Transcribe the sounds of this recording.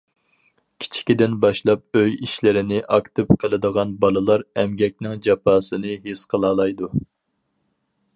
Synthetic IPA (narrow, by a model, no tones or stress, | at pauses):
kʲʰi̥t͡ʃʰi̥kʲid̪ɪnbɑʃlˠɑp̚øjiʃlɪɾɪnɪʔɑkt̪ʰɨpqʰəlˠɨd̪əʁɑnbɑlˠɨlˠɑɾɛmɡʲɛk̚ʲnɪŋd͡ʒɑpʰɑːsɨnɨɦesqʰəlˠɑːlˠɑjd̪u